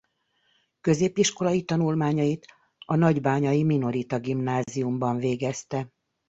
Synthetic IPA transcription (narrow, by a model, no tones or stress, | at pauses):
kø̞zeːpːiʃko̞lɒjit̪ɒnulmaːɲɒjit̪ | ɒnɒɟbaːɲɒjimino̞ɾit̪ɒɡimnaːzijumbɒɱveːɡɛst̪ɛ